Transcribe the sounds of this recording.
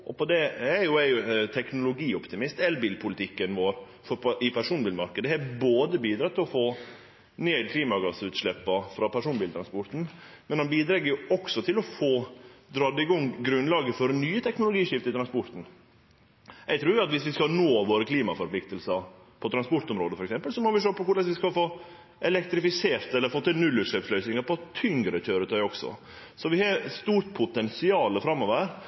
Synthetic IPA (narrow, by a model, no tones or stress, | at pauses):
ʔɔ̰pʰɔd̪ɛɛɾjʊæjʊt̪ʰɛknʊlʊɡiːɔpt̪ɪmɪst̪ɛlbiːlpʰʊlɪt̪ʰɪkːənʋoːɾ | fɔɪpʰæɾʂuːnbiːlmɑɾkəd̪əhɛboːd̪əbiːd̪ɾɑt̪ʰːɪlɔfoː | neːd̪kʰliːmɑɡɑsʉːt̪ʂɭɛpːɑfɾɑpʰæʂuːnbiːlt̪ɾɑnspɔɾt̪n̩ | mɛnhɑnbiːd̪ɾɛɡːəɾjʊɔksɔt̪ʰɪlɔfoːd̪ɾɑd̪ɪɡɔŋːɡɾʉnːlɑːɡəfɔɾnyːət̪ʰɛknʊlʊɡiːʂɪft̪əɪt̪ɾɑnspɔɾt̪n̩ | jæɡt̪ʰɾʉːɾjʋɪɑt̪ʋɪsʋɪskɑlnoːʋoːɾəkʰliːmɑfɔɾpʰlɪk̚t̪əlsəɾ | pʰɔt̪ʰɾɑnspɔɾʈ̪ɔmɾo̰ːd̪əfɔɾɛksɛmpəlsɔmɔʋɪʂøːpɔkʊɭɛsʋɪskɑfoː | ɛlɛkt̪ɾɪfɪseːɾt̪ɛlːəɾfɔt̪ːɛnʉlːʉʂɭøːpslœʏsnɪŋəpɔt̪ʰʏŋɡɾəçøːɾət̪ʰœʏɔksɔ̰ | sɔʋɪhɑst̪uːɾʈ̪pʰʊt̪ɛnsɪɑːləfɾɑmːɔʋəəɾ